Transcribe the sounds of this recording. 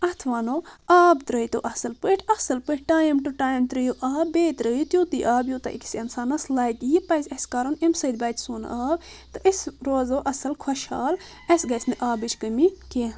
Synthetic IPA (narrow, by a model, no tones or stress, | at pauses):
ɐt̪ʰʋaːnoːaːbt̪ɾəjt̪oːʔɐsɐlpəʈʰɐsɐlpəʈʈaːjmʈuʈaːjmt̪ɾəjoʔaːbeːt̪ɾəjut̪joːt̪iʔaːbjoːt̪ɐ̰ʔḭksɐnsaːnɐslaːɡ̪ʲijipɐzʲɐskaːɾonemsɐd̪̚ʲbɐːt̪ʲsuːn̰aːb | t̪ɨʔisɾoːzoːʔɐsɐlkʰɐʃa̰ːl | ɐsʲɡɐsʲnɨʔaːbit͡ʃʰkəmikeː